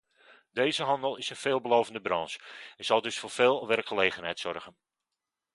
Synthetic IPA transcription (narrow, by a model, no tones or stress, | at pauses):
dejzəɦɑndəlˠɪsənfeːlˠbəlowvəndəbrɑnsɛnz̥ɑlˠdɵsfʊːrfeːlˠʋɛrkχəlejχənɦɛjtsɔrɣən